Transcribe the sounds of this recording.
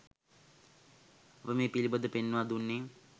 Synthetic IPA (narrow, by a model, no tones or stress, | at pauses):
apəmeːpilibəd̪əpenːʋad̪unːe